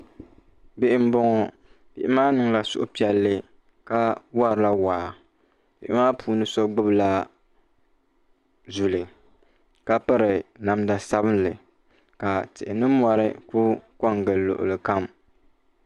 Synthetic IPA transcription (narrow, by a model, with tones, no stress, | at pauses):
bɪ˦ʔɪ˦m̩˦bɔ˦ŋɔ˦ | bɪ̰˨ʔɪ˦maː˦nɨ˨ŋla˨sʊ̰˦ʔʊ˦pi˨ɛ˨lːɨ˦ | ka˦wa˦ɾla˦wa˨ | bɪ˨ʔɪ˦maː˦pʰuː˨˦nɨ˦sɔ˦ɡ͡bɨ˦bla˦ | zu˨lɨ˨ | ka˦pɨ˦ɾɨ˨na˨mda˨sa˦bɨ˦nlɨ˨ | ka˨tɪ˨ʔɪ˨nɨ˦mɔ˦ɾɨ˦ku˦kɔ˦ŋɡɨ˨lːo̰˨ʔʊ̰˨lɨ˨ka˦m